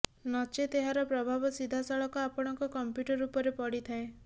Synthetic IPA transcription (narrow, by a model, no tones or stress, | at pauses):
nɔt͡ʃet̪eɦaɾɔpɾɔbʱabɔsid̪ʱasɔɭɔkɔapɔɽ̃ɔŋkɔkɔmpjuʈɔɾupɔɾepɔɽit̪ʰae